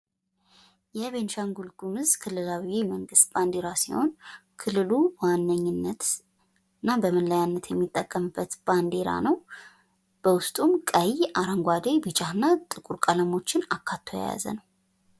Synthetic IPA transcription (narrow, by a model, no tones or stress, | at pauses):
jɛβe̞nʃaŋɡulɡumɨzkʰɨlːɨlawiməŋɡɨst̪b̥and̪e̞ɾasiho̞̰nkʰɨlːɨluwanːəɲːɪnːət̪ | ɨnːabəmənləjanːət̪jɛmːit̪ʼːəkʼːəmɨbːət̪b̥and̪e̞ɾa̰nəw | b̥əwʊst̪ʼumkʼəjaɾaŋɡʷad̪ebɨt͡ʃʼahɨnːat̪ʼɨkʼuɾkʼələmo̞t͡ʃːɪnakʰːat̪ʰːoja̰ja̰zə̰nəw